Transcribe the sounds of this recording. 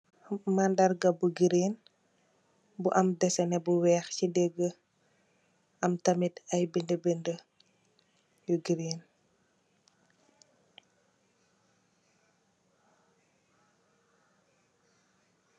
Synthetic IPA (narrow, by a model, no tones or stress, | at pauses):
mandɐrɡɐbuɡiɾin | buʔɐmdɛsɛnɛbuwɛːxcidɛɡːə | ʔɐmtɐmitɐjbindəbendə | juɡiɾiːn